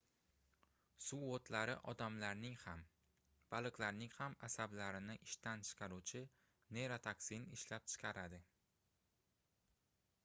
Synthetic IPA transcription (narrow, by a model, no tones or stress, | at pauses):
suot̪ʰlaɾɪʔɒ̰d̪amlaɾnɪŋham | b̥alˠɨklaɾnɪŋhamasablaɾɪnɪʔɪʃt̪ant͡ʃʰɨ̥qʰɑɾut͡ʃʰɪ | ne̞ɾat̪ʰaksinɪʃlap̚t͡ʃʰɨ̥qʰɑɾad̪ɪ